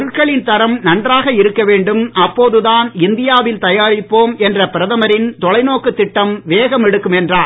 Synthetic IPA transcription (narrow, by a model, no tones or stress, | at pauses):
ɯɭkɐɭɪnt̪ɐɾɐmnɐndraːɣɐɪɾɯkːɐʋeːɳɖɯmɐpːoːðɯðaːnɪnd̪ɪjaːʋɪlt̪ɐjaːɾɪpːoːmɛndrɐpɪɾɐðɐmɐɾɪnt̪ɔɭɐɪnoːkːɯt̪ːɪʈːɐmʋeːɣɐmɛɽɯkːɯmɛndraː